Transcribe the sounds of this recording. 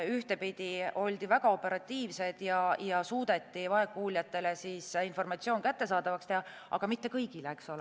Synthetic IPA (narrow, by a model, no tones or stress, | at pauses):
yht̪e̞pid̪̥ʲio̞lʲd̪̥ivæɡ̥ɑo̞pːe̞ɾɑt̪ʲːˑiːvse̞d̪̥jɑjɑsuːd̪̥e̞t̪ːˑivɑekːˑuːlʲjɑt̪ːˑe̞le̞siːsinfo̞rmɑt̪sio̞ːnkæt̪ːe̞sɑːd̪ɑvɑkst̪ehɑ | ʔɑ̰ɡ̥ɑmit̪ːe̞kɤjɡ̥ilekso̞le